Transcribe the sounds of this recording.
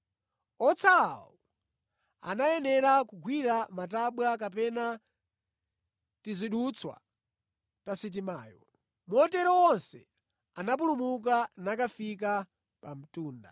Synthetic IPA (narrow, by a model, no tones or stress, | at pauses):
ɔt͡sʰaːwɔ | a̰najɛnɛɾakuɡwiɾamataɓwak̬apɛna | tiziɗut͡sʰwa̰ | tasit̬imaːjɔ̰ | mɔtɛɾɔwɔnsɛ̰ | anap̬ulumuk̬anakafik̬a | pam̩tuːnda̰